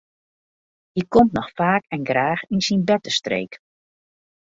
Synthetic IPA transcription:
hikɔmtnɔxfaːkɛnɡraːxinsinbɛtəstrḛːk

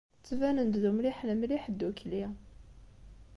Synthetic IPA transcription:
t͡sːvænənd̪ðumliħnəmliħd̪ːukli

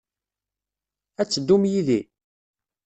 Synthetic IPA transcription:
æt͡sːəd̪ːumjiði

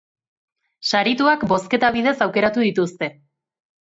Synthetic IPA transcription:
saɾit̪uakbo̞ske̞t̪aβ̞ið̞e̞sawke̞ɾat̪uðit̪ust̪e̞

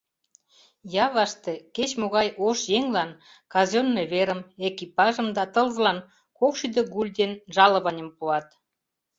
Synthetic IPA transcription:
jɑβɑʃt̪eket͡ɕmoɣɑjoʃjeŋlɑn | kɑzonːeβeɾəmekipɑʒə̆md̪ɑt̪əlzlɑn | kokʃid̪eɣulʲd̪enʒɑlə̆βɑnʲəmpuɑt̪

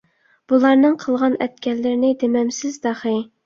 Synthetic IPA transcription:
b̥ulˠɑɾnɨŋqʰəlˠʁɑnɛt̪kʲʰɛlːɪɾnɪd̪emɛmsɪzd̪ɑχɨ

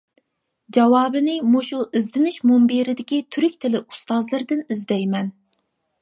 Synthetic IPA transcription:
d͡ʒɑwɑːbɨnɪmoʃulˠizd̪ɪnɪʃmombeɾɪd̪ɪkʲit̪ʰyɾykʲt̪ʰɪlɪu̥st̪ɑzlˠɨɾd̪ɪnizd̪ɛjmɛn

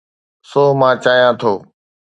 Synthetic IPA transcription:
soːmãːt͡ʃaːjãːt̪ʰoː

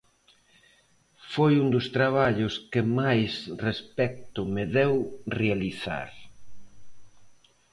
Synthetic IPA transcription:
fojund̪ʊst̪ɾaβ̞aʎʊskɪmajsrespɛk̚t̪ʊmɪðɛwrealiθa̰ɾ

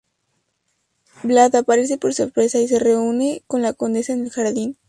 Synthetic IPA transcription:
blaðapaɾe̞s̬e̞po̞ɾso̞ɾpɾe̞sais̬e̞re̞une̞ko̞nlako̞nd̪e̞saene̞lxaɾðin

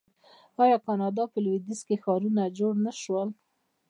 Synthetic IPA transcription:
ɑjɑkɑnɑd̪ɑpəlwid̪izkexɑɾunad͡ʒoɽnaʃwəl

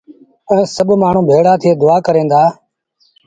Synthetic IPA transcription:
ə̃ɛ̃ːsəbmaːɳ̤ũːbʱeːɽaːt̪ʰɪeːd̪ʊaːkəɾẽːnd̪aː

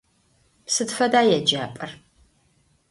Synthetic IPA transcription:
psɨdfɐdaːjɛd͡ʒaːpʼɐr

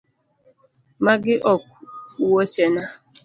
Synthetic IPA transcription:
maɡɪʔɔk̚uuwot͡ʃena

